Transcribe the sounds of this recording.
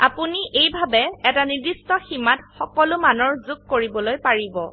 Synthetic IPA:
a̰puniejbʱabɛɛtanidistɔximatxɔkɔlʊmanɔɹzʊɡ̚koɹibɔlojpaɹibɔ̰

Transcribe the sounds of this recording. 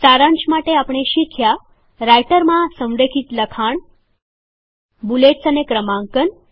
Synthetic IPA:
saɾãnt͡ʃmaʈeapɳ̃eʃikʰja | ɾajʈəɾmãsə̃mɾekʰit̪ləkʰaɳ | buleʈsənekɾəmãŋkən

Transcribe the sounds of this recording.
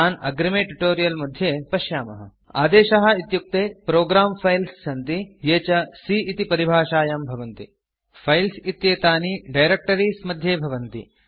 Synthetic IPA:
aːnɐ̰ɡɾɐmeːʈuʈoːɾijɐlmɐd̪ʱjeːpɐʃjaːmɐ̰ɦɐ̰ | a̰ːd̪eːʃɐɦɐ̆it̪juk̚t̪eːpɾoːɡɾaːmpʰɐjlsːɐnt̪ijeːt͡ʃɐsiːʔit̪ipɐɾibʱaːʃaːjambʱɐʋɐnt̪ḭ | pʰɐjlsit̪jeːt̪aːniɖɐjɾek̚ʈɐɾiːsmɐd̪ʱjeːbʱɐʋɐnt̪ḭ

